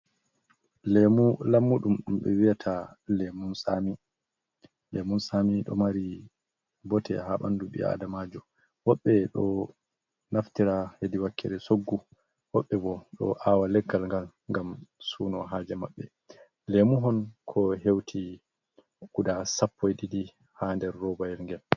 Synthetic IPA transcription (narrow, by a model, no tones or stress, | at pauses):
lemulamːuɗumɗumɓɛ̰wijatʰalemunsami | lemunsamiɗɔ̰maɾi | bɔtʰɛ̰haɓa̰nduɓḭa̰damad͡ʒɔ | wɔɓːɛɗɔ | naftiɾahediwakːɛ̰ɾɛsoɡːu | wɔɓːɛbɔɗɔ̰ʔaːwalɛɡːalŋɡal | ŋɡamsuːnɔɦaːd͡ʒɛmaɓːɛ | lemuɦɔnkʰɔɦewtʰi | ɡ̥udasapːɔjdidi | handɛɾːɔbajɛɾŋɡɛl